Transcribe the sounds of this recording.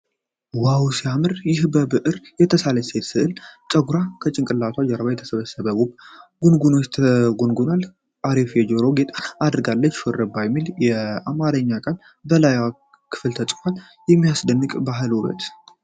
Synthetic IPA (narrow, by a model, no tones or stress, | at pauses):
wawsijamɨɾjɪhbəbɨʔɨɾjɛt̪ʰəsaləse̞t̪sɨʔɨlt͡ʃʼəɡuɾakʰət͡ʃʼɪŋkʼɨlːat̪ʰwad͡ʒɛɾβajɛt̪ʰəsəβəsːəβəbubɡ̥unɡunot͡ʃːt̪ʰɡunɡunalʼ | aɾifjɛd͡ʒoɾoɡet̪ʼaːd̪ɾɡalːət͡ʃːwɔrəbːajɛmːiljɛamaɾəɲːakʼal | bəlaja | kʰɨ̥flt̪ʰəsʼfwal | jɛmːijasd̪ənːɨkʼbaɦɨluɾə̰t̪